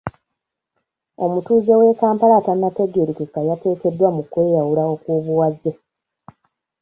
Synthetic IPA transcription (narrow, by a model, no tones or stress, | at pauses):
o̞mutuːze̞we̞ːkaːmpalatanate̞ɡeɾikekːajate̞ːke̞dːwamukwe̞ːjawulaokwuːβuwaze